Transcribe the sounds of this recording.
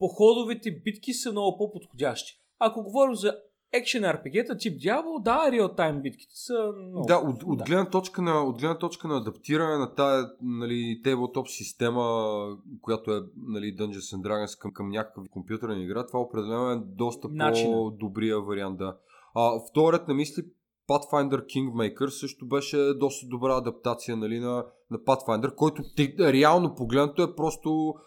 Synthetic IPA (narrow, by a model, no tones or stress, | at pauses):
poxɔd̪ʊvit̪ɛbit̪kʲisəmnɔɡʊpopot̪xodʲaʃt̪i̥ | ɐkoɡovɔɾimzɐ | ɛkʃənɛɾpɛɡʲɛt̪ət̪ip̚d̪ʲjablˠd̪aɾiot̪ːajmbit̪ki̥t̪ɛ̥sənɔaʔot̪od̪ɡlɛd̪nət̪ɔt͡ʃkənɐod̪ɡlɛd̪nət̪ɔt͡ʃkənɐːd̪ɐpt̪iɾɐnɛnɐt̪aɛnɐlit̪ɛbɛlˠt̪ɔpsist̪ɛməkojat̪oɛnɐlid̪ənd͡ʒɛnsənd̪ɾaɡə̃nskəkəmnʲakə̥kəfikompjut̪əɾnəiɡɾat̪ovaopɾɛd̪ɛlɛnoɛd̪ɔst̪əpnod̪obɾiəvɐɾiand̪ə | əft̪ɔɾɾɛt̪nɐmisli | pat̪fajnd̪ɛɾkiŋɡmɛjkəɾsɤʃt̪obɛʃɛd̪ɔst̪əd̪obɾaɐd̪ɐp̚t̪at̪sijənɐlinɐ | nɐpat̪fajnd̪ɛɾkɔjt̪ʊɛɾɛalˠnopoɡlɛd̪nət̪ʊɛpɾɔst̪o